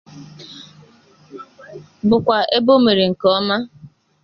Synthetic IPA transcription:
bʊ˨kʷa˨ʔe˦bo˦me˨ɾe˨ŋ̩˨kɔ˦ma˦

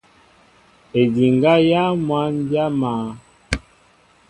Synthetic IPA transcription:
e˨di˨ŋɡa˦ja˦mwa˨˦n˦dja˦maː˨˦

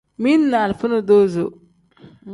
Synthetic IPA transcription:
mi˦nːa˨lfu˦no˨d̪o˦zo˨

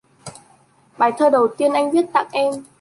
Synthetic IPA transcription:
ɓaː˧˩jt̪ʰəː˧ɗə˨˩wt̪i˧ənʔa˧jŋ̟vi˦˥ət̚t̪a̰ː˧˨ŋʔɛ˧m

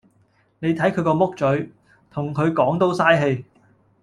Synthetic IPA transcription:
ne˨˧jt̪ʰɐ˨˥jkʰɵ˨˧kɔː˧mʊ˥k̚t͡ʃɵ˨˥ɥ | t̪ʰʊ˨˩ŋkʰɵ˨˧ɥkɔː˨˥ŋt̪o˥wsaː˥jɦe˧j

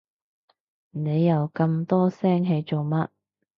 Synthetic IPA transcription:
ne˨˧jːɐ˨˧wkɐ˧mt̪ɔː˥sɛː˥ŋɦe˨˧jt͡so˨wmɐ˥t̚

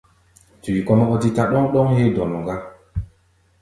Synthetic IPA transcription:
tu˨i˨kɔ˦nɔ˦ɔ˦ti˦ta˦ɗɔ˦ŋɗɔ˦ŋhe˦dɔ˨nɔ˨ŋɡa˦

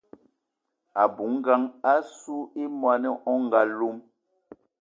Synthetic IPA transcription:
a˨bu˨˦ŋ˦ɡa˦ŋa˦su˦e˦mwa˨nɛ˦ʔɔ˦ŋ˦ɡa˦lo˦m

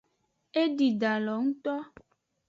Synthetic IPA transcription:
e˦ɖi˨ɖa˨lɔ˨ŋũ˦t̪ɔ˦

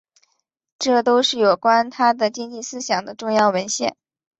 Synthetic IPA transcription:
ʈ͡ʂɤ˥˩t̪o˥ʊʂɻ̩˥˩jo˨˩ʊkwa˥nt̪ʰa˥d̪ə˨t͡ɕi˥ŋt͡ɕi˥˩sɹ̩˥ɕjɑ˨˩ŋd̪ə˦ʈ͡ʂʊ˥˧ŋjɑ˥˩ʊwə˧˥nɕjɛ̰˥˩n

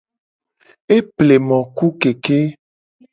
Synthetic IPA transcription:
e˦ple˨mɔ̃˨ku˦ke˨ke˦

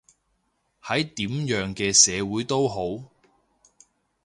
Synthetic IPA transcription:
hɐ˨˥jt̪iː˨˥mjœː˨˥ŋkɛː˧sɛː˨˧wuː˨˥jt̪o˥wɦo˨˥w

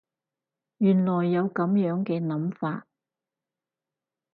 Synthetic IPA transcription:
jyː˨˩nlɔː˨˩jːɐ˨˧wkɐ˨˥mjœː˨˥ŋkɛː˧nɐ˨˥mfaː˧t̚

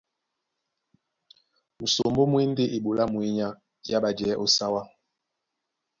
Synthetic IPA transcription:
mu˨so˨mbo˦mwe˦nde˦ʔi˨ɓo˨la˦mwe˦ɲa˦ | ja˦ɓa˨d͡ʒɛː˨˦ʔo˦sa˦wa˦

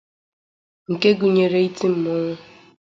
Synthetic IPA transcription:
ŋ̩˨ke˦ɡu˨ɲe˨ɾe˨i˦tʰi˦m̩˨˦mɔ˦ŋʷʊ˦

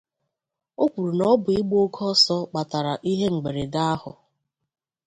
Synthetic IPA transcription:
o˦kʷu˨ɾu˨nɔ˨˦bʊ˨i˦ɡ͡bo˦kʰɔ˦sɔ˦k͡pa˨ta˨ɾa˨ʔi˦ɦe˦ŋ͡m̩˨ɡ͡be˨ɾe˨da˦a˦hʊ̰˨

